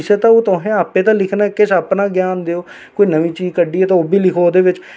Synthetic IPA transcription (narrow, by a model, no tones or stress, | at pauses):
ɪsət̪ãːoːt̪oːɦẽːaːpːẽːt̪ãːlɪkʰnaːɛkɪsaːpnaːɡjaːnd̪eoː | koːiːnəʋĩːt͡ʃiːzkəɖiːɛːt̪ãːbʱiːlɪkʰoːoːd̪eːʋɪt͡ʃ